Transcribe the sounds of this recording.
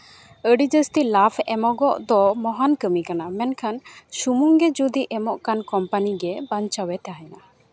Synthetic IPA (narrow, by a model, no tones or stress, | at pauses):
əɖid͡ʒəst̪ilapʰɛmɔɡɔʔd̪ɔmɔɦankəmikanamɛnkʰanʃumuŋɡɛd͡ʒud̪iʔɛmɔʔkankɔmpaniɡɛbaɲt͡ʃawɛt̪aɦɛna